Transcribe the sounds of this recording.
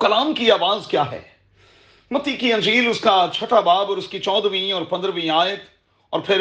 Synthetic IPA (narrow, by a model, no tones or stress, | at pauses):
kɐlaːmkiaːʋaːzkjaːɦɛ̰ː | mɐt̪ːikiɐ̃nd͡ʒiːlʊskat͡ʃʰɐʈabaːbɔːɾʊskit͡ʃɔːd̪ʋĩɔːɾpɐ̃nd̪ɾəʋĩaːjət̪ | ɔ̰ːɾpʰɪɾ